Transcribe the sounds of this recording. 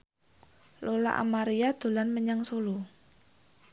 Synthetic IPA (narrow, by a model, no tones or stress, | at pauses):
lola̰ʔa̰maɾijad̪̥o̤lanməɲaŋsulu